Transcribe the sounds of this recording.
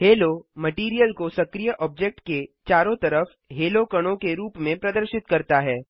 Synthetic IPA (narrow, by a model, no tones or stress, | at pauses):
heːlomɐʈiːɾijəlkosɐkɾijəʔɔːb̚d͡ʒek̚ʈket͡ʃaːɾõt̪ɐɾəf | ɦeːlokɐɽ̃õkeɾuːpmẽpɾɐd̪əɾʃɪt̪kɐɾt̪aɦɛː